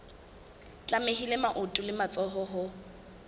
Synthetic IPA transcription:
t͡ɬʼamehilemaʔʊtʼʊlɪmat͡sʼɔɦɔɦʊ

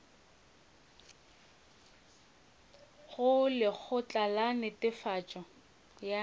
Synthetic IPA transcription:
ɣʊlɪk͡xʰʊt͡ɬʼalanɪtʼɪfat͡ʃʼɔ | ja

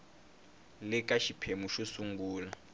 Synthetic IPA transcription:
lɪkʼaʃipʰemuʃusuŋɡuːla

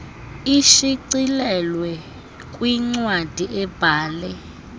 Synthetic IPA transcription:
iʃiǀilɛlwɛ | kʼwiŋ͡ǀwad̥ʱiʔɛb̥ʱaːlɛ

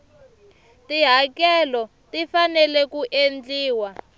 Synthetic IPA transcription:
tiɦakɛlɔ | tifanɛlɛkuʔend͡ɮiːwa

